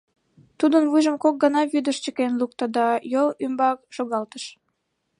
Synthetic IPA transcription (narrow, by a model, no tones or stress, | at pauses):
t̪ud̪ənβujʒəmkok̚ɡənɑβyd̪əʃt͡ɕəkenluk̚t̪əd̪ɑjolymbɑkʒ̥oɣɑlt̪əʃ